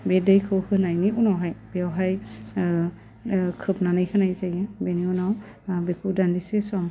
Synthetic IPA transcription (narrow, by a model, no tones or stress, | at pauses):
bedɯjkʰɯwhʰɯnajniunawɦajb̥ewɦaj | kʰɯpnanɯjkʰɯnajzajɯbeniunaw | bekʰudandisesɔm